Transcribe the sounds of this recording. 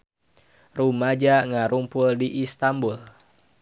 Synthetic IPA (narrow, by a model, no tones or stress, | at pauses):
rumad͡ʒaŋaɾumpʊldiʔist̪ambul